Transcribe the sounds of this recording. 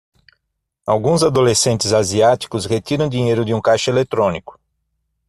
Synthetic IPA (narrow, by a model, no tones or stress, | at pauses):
awɡũzad̪olesẽnt̪ɪzaziat̪i̥kʊsʁet̪iɾɐ̃w̃d̪iɲejɾʊd̪ɪũkajʃʊelet̪ɾõnikʊ̥